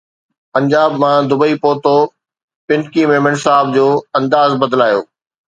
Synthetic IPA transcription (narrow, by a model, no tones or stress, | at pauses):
pɐ̃ɲd͡ʑaːbmãd̪ʊbəipoːt̪o | pɪ̃nkimẽːmə̃ɳsaːɦɪbd͡ʑoːɐ̃nd̪aːzbɐd̪laːjo̰ː